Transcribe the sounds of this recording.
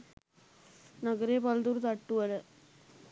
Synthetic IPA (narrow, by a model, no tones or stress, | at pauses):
nɐɡɐɾeːpɐld̪uɾt̪ɐʈːuʋɐlɐ